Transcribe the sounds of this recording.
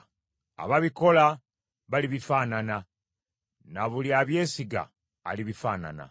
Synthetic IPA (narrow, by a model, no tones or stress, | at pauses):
a̰βaβiko̞la | βaliβifaːnana | naβuliaβje̞ːsiɡa̰ː | liβifaːna̰na̰